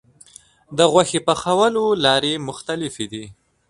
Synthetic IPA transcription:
d̪əɣwaxepəxawəlolɑɾemʊxt̪alɪfed̪i

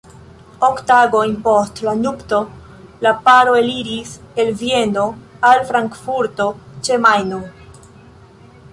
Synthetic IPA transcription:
oktaɡojnpo̞stlanupto̞ | lapaɾo̞eliɾis | e̞lvie̞noalfɾaŋkfuɾto̞t͡ʃe̞majno

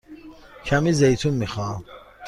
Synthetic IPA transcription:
kʰamizejt̪ʰunmiχɑː

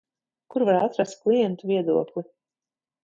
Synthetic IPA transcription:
kuɾvaɾat̪ɾast̪̚klˠijɛnt̪uvʲiɛd̪uɔklˠi

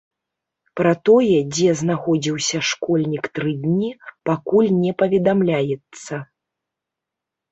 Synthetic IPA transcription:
pɾɐt̪ɔjɛd͡zʲɛznaxɔd͡zʲiwsʲɐʂkɔlʲnʲikt̪ɾɨd̪ʲnʲipakulʲnʲɛpɐvʲɛd̪amlʲajɛt̪sːɐ

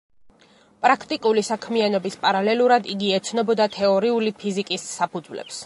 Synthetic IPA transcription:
pʼɾakʰt̪ʼikʼulisakʰmianɔbispʼaɾalɛlˠuɾad̪iɡiɛt̪sʰnɔbɔd̪at̪ʰɛɔɾiulipʰizikʼisːapʰud̪zvlɛ̰ps

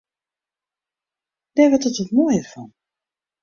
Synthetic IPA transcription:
d̥ɛʋɔtətɔtmojərfɔn

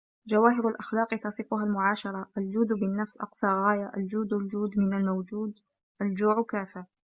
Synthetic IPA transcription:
d͡ʒawaːɦɪɾalʔaxlɑːqt̪ɑsˤɨfʊɦalmʊʕaːʃɑɾˤɑʔald͡ʒuːd̪bɪnːafsʔɑ̰qsˤɑːɣaːjaʔald͡ʒuːd̪ld͡ʒuːd̪mɪnalmawd͡ʒuːd̪ | ʔald͡ʒuːʕkaːfɪɾ

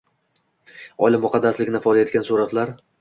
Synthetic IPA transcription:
ɒlɪmːʊqʰɑd̪ːaslɪkʲnɪfɒjd̪ajet̪kʲansuɾat̪laɾ

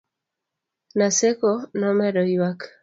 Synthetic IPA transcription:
nasekonɔmɛɾɔjwak

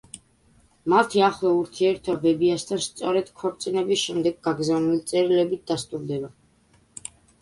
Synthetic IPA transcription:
mat̪ʰiaχlauɾt̪ʰiɛɾt̪ʰɔbɛbiast̪ʰanst̪sʼɔɾɛd̪̥kʰɔɾt̪sʼinɛbisʃɛmd̪ɛɡɡaɡɾzavnulit̪sʼɛɾilɛbit̪̚d̪ast̪ʼuɾd̪ɛba

